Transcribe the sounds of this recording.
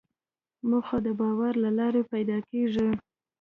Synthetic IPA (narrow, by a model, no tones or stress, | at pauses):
muɡxod̪əbɑwaɾlalɑɾepajd̪ɑkeʐi